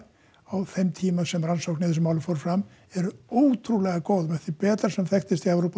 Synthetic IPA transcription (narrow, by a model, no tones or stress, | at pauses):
awθejmt̪ʰiːmasɛmransowknɪθɛs̬ʏmaːwlʏfoɾfɾam | ɛɾoːwt̪ʰɾulɛɣakoːwðmɛθipɛːt̪aɾ̥sɛmθɛxt̪ɪst̪iɛwɾowpa